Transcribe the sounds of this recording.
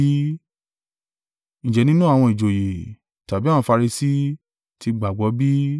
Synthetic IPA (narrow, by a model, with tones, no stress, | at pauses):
ñ̩˨d͡ʒɛ˨nĩ˦nũ˦a˨w̃ɔ̃˧i˨d͡ʒo˨je˨ | ta˨bi˨˦ã˦˨ɔ̃˧fa˧ɾi˧si˦ | tʰi˧ɡ͡ba˨ɡ͡bɔ˨˦bi˦